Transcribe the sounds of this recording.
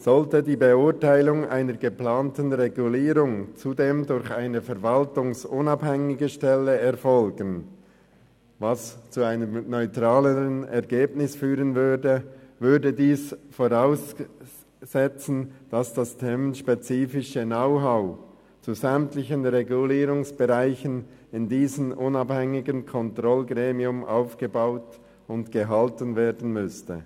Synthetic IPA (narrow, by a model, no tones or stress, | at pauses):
z̥ɔltədiːbeʊʁtaɪlʊŋʔa̰ɪnəɾɡəplaːntənʁeɡuliːʁʊŋt͡sudeːmdʊɾçaɪnəfɛʁvɑltʊŋsʊnɑbhɛŋɪɡəʃtɛləɛɐfɔlɡən | vɑst͡suaɪnəmnɔʏtʁ̥aːləʁənɛʁɡeːbnɪsfyːʁənvʏɐdəvʏɐdədiːsfoʁaʊsː | ɛt͡sn̩d̥ɑsd̥astʰɛmʃpet͡siːfɪʃənaʊɦaʊ | t͡suzɛmtlɪçənʁeɡuliːɾʊŋsb̥eʁaɪçən | ɪndiːzənʔʊnɑbhɛŋɪɡənkʰɔntʁɔlɡʁeːmiʊmʔa̰ʊfɡ̥əbaʊt | ʊndɡ̥əɦɑltənveːɐdən̩mʏstə